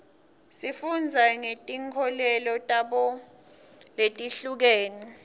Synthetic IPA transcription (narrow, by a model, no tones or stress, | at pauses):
sifund͡zʱaŋetʼiŋkʰɔlɛlɔtʼaɓɔ | letʼiɬuk̬eːni